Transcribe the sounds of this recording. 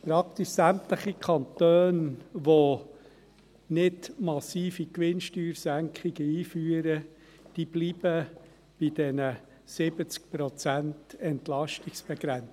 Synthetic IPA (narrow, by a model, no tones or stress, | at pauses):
pɾɑkt̪iʃsæmtləχikʰɑnt̪øːnʋo | nɪdmɑsiːfikʋɪnʃtyːɾsæŋkχiɡ̥əiːfyːəɾə | d̥iːb̥liːb̥ə | b̥ɪd̥ɛnə | sɪbət͡sk̚pɾɔt͡sæntɛntlɑʃtɪksb̥ɛɡ̥ɾɛn